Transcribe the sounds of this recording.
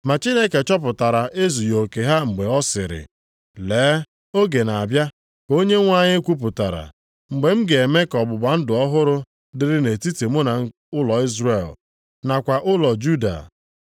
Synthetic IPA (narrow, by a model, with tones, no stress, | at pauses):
ma˨t͡ʃi˦ne˦ke˨t͡ʃɔ˦p̬ʊ˨ta˨ɾa˨ʔe˦zu˨jo˨ke˨ɦa˦ŋ͡m̩˨ɡ͡be˨ɔ˦sɪ̰˨ɾɪ̰˨ | leː˨˦ | o˦ɡe˨na˨a˨bja˦ | ko˦ɲe˦ŋʷa˦ɲɪ˦kʷu˦p̬ʊ˨ta˨ɾa̰˨ | ŋ͡m̩˨ɡ͡be˨m̩˦ɡe˨e˨me˦kɔ˨bʊ˨ba˨n̩˦dʊ˨ɔ˦ɦʊ˦ɾʊ˦ | dɪ˨ɾɪ˦ne˨ti˦ti˨mʊ˦na˨˦ | ʊ˦lɔ˨i˦zɾe˨l | na˨kʷa˨ʔʊ˦lɔ˨d͡ʒu˦da̰˨